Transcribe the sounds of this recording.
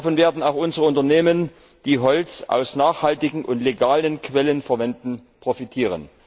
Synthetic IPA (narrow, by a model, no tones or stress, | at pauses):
fɔnveːɐdn̩aʊxʔʊnzəʁəʊntɐneːmən | d̥iːɦɔlt͡sʔa̰ʊsnaːχhaltɪɡŋ̩ʔʊntleɡaːlənkv̥ɛlənfɛɐvɛndn̩pʁ̥ofitʰiːʁ̞ə̰n